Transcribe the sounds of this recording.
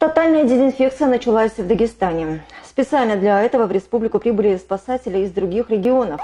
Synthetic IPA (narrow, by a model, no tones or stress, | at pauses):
t̪ɐt̪alʲnəjədʲɪzʲɪnfʲe̞k̚t̪sɨjənət͡ɕɪlˠasʲvd̪əɡʲɪst̪anʲɪspʲɪt̪sɨalʲnəd̪lʲɐɛt̪əvəvɾʲɪspublʲɪkʊpɾʲibɨlʲɪspɐsatʲɪlʲɪɪzd̪ɾʊɡʲixɾʲɪɡʲɪo̞nəf